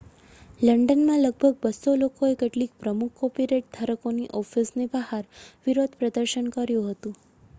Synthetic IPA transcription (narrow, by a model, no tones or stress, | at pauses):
ləɳɖənmãləɡ̚bʱəɡ̚bəsːolokoekeʈlik̚pɾəmukʰːopiɾeʈ̚d̪ʰʱaɾəkoniʔɔfisnebəɦaɾʋiɾod̪ʱpɾəd̪əɾʃənkəɾjũɦət̪ũ